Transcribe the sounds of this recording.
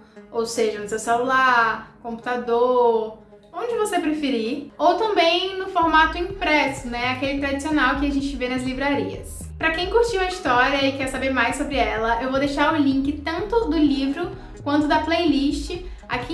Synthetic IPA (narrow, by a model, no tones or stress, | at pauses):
owseʒɐnʊsewselulaɾkõmpu̥t̪ad̪oɾ | õd͡ʒɪvosepɾefiɾiowt̪ɐ̃mbẽj̃nʊfoɾmat̪ʊĩpɾɛsʊnɛakelɪt̪ɾad͡ʒisionawkɪaʒẽnt͡ʃɪvenɐzlivɾaɾiɐ̰s | pɾɐkẽj̃kuɾt͡ʃiwɐist̪ɔɾiɐɪkɛɾsabeɾmajsːobɾɪɛlɐʔewvod̪eʃaɾʊ̃lĩŋkɪt̪ɐ̃nt̪ʊd̪ʊlivɾʊ | kwɐ̃nt̪ʊd̪ɐplejliʃt͡ʃɪ | a̰ki